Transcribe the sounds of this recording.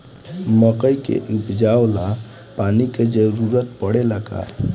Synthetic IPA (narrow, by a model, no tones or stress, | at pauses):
məkəikḛʔʊpd͡ʒaːwla | paːniked͡ʒəɾuɾət̪̚pəɽeləɡa̰